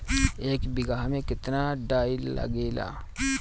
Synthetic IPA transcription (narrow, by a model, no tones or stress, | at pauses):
eːkbɪɡaːɦmẽkɪt̪naɖaːillɐ̰ɡeːla̰ː